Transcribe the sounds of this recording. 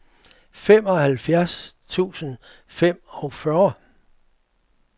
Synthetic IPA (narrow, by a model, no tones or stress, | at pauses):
femɒ̽hælfjæɐst͡sʰṵːsən | fem̰ɒ̽fɶːɐ